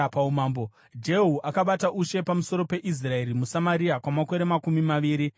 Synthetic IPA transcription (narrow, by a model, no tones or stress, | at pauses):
paumaːmbo | d͡ʒe̞ɦuʔakaɓataʔuʃe̞pamuso̞ɾo̞pe̞ʔis̬rae̞ɾimusamaɾiakwamako̞ɾe̞makumimaʋiːɾi